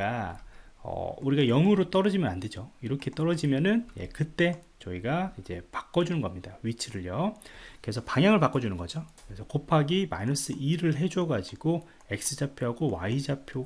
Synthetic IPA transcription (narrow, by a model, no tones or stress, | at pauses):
a | ʌ̰uɾiɡajʌŋuɾot͈ʌɾʌd͡ʑimjʌnande̞d͡ʑoiɾʌkʰe̞t͈ʌɾʌd͡ʑimjʌnɯnje̞̰kɯt͈e̞ | t͡ɕʌiɡaid͡ʑe̞pḁk͈ʌd͡ʑunɯnɡʌmɲidaɥit͡ɕʰiɾɯɭjʌkɯɾe̞sʰʌpaŋjaŋɯɭpak͈ʌd͡ʑunɯnɡʌd͡ʑokɯɾesʰʌkopʰaɡimainʌs͈ɯʔiɾɯɭɦe̞d͡ʑuʌɡad͡ʑiɡo | e̞k̚s͈ɯd͡ʑapʰjoɦaɡowa̰id͡ʑapʰjo